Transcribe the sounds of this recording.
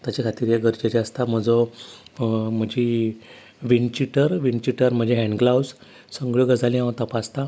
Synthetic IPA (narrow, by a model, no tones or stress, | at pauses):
t̪jat͡ɕakʰat̪iːɾjeɡəɾd͡ʑet͡ɕeast̪am̤əd͡zɔ | m̤əd͡ʑi | ʋint͡ɕiʈəɾʋint͡ɕiʈəɾm̤əd͡ʑeɦɛ̃ɳɡlaws | səŋɡɭəɡəd͡zalĩãwt̪apast̪a